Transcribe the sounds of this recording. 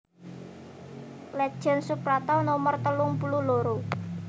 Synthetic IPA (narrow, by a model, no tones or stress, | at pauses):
lɛ̥ʒ̥ɛ̤nsupɾat̪ɔnomərt̪əlʊŋpululoɾo